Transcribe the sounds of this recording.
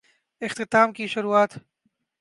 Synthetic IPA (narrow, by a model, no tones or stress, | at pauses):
ɪxt̪ɪt̪aːmkiʃʊɾuaːt̪